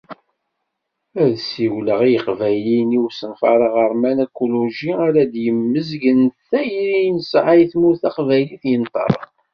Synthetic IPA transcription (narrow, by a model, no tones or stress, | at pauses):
æðsiwləʁijəqvæjliniwsənfɑ̰ɾˤəʁəɾmænækoloʒiaɾæd̪jəmːəzɡənθæjɾinəsʕajθmuθæqvæjliθjənt̪ˤɑ̰ɾˤ